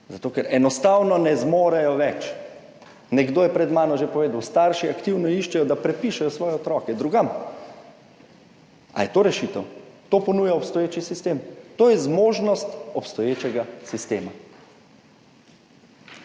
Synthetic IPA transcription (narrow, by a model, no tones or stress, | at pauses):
zat̪oːkɛɾɛnɔst̪awnɔnɛzmoːɾɛjɔʋɛt͡ʃ | nɛɡd̪oːjɛpɾɛd̪maːnɔʒepɔʋeːd̪awst̪aɾʃiakt̪iwnɔiʃt͡ʃɛjɔd̪apɾɛpiʃɛjɔsʋɔːjɛɔt̪ɾɔːkɛd̪ɾuɡam | a̰jɛt̪oːɾɛʃit̪ɛwt̪oːpɔnujaɔpst̪ɔjeːt͡ʃisist̪eːmt̪oːjɛzmoːʒnɔst̪ɔpst̪ɔjeːt͡ʃɛɡasist̪eːma